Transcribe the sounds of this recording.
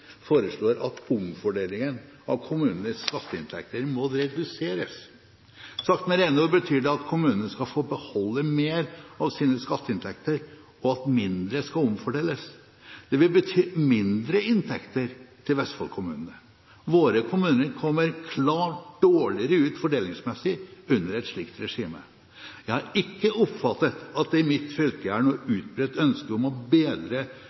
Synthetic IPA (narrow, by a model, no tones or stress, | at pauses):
foːɾəʂlɭoːɾʔɑ̰t̪ʊmfɔɖeːlɪŋən | ɑʋkʰʊmʉːnənəsskɑt̪ːəɪnt̪ʰɛ̰k̚t̪əɾmɔɾɛd̪ʉseːɾəs | sɑkt̪mɛɾeːnoːbət̪ʰyːɖɛɑt̪kʰʊmʉːnənəskɑfoːbəhɔlːəmeːɾɑʋsiːnəskɑt̪ːəɪnt̪ʰɛkt̪əɾ | ɔɑt̪mɪnd̪ɾəskɑlʊmfɔɖɛːlːəs | d̪̥ɛʋɪlbət̪ʰyːmɪnd̪ɾəɪnt̪ʰɛkt̪əɾt̪ʰɪlʋɛst̪fɑ̰lkʰʊmʉ̰ːnənə | ʋoːɾəkʰʊmʉːnəɾkʰɔmːəɾkʰlɑːʈɖ̥oːɭɪəɾəʉːt̪fɔɖeːlɪŋsmɛsːɪʉnːəɾɛt̪ʂɭɪkt̪ɾɛʂiːmə | jæɪhɑɾɪkːəʔɔpfɑt̪ːət̪ɑt̪̚d̪ɛɪmɪt̪fʏlkəæɳoːʉːt̪̚bɾøːt̪ːœnskəɔmɔbeːd̪ɾə